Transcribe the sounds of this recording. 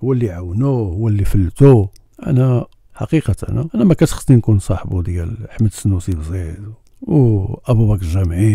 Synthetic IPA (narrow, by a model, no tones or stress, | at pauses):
hʊwːælːiʕawnuhʊwːælːifəlːt̪u | ʔæ̰næ | ħɑ̰qiqɑt̪ə̰næʔænæmækæt̪xt̪ˤninkunsˤɑħbud̪jælħməd̪sənːusibzid̪w | wʔæbubækəlʒæmʕi